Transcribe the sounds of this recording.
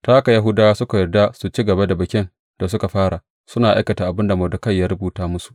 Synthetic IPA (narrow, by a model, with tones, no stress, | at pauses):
taː˦ʔa˦ka˨ja˦ɦʊ˦daː˦wa˦sʊ˦ka˨jɐ˨rda˦su˨t͡ʃiː˦ɡɐ˨ba˦da˨bɐ˨kʲɪ˦n | d̥a˨s̬ʊ˦ka˨ɸaː˦ɽa˨ | sʊ˦naː˨ʔa˦jkɐ˨taː˨ʔa˨bɪ˦nda˨mo˨dɐ˨˦kɐ˦˨jːaː˦ɾʊ˦buː˨taː˦mʊ˦su̥˨ʔ